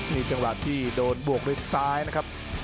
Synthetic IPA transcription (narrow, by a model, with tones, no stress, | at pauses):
miː˧t͡ɕa˧ŋwa̰˨˩t̪ʰiː˥˩doː˧nbu˨˩ək̚ɾe˦˥˩t̚saː˦˥jna˦˥kʰa˦˥p̚